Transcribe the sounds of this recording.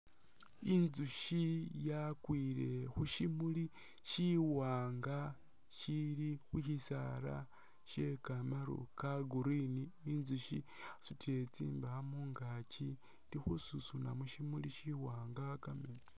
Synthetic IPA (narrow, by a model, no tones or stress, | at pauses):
inzuʃijakwiːɾe̞xuʃimuli | ʃiwaːŋɡa | ʃiɾixuʃisa̰ɾa̰ | ʃekamaɾṵkaɡuɾiniːnzuʃiasutet͡sḭːmbaamuŋɡat͡ʃi | ndixususunamuʃimuliʃiwaːŋɡakameni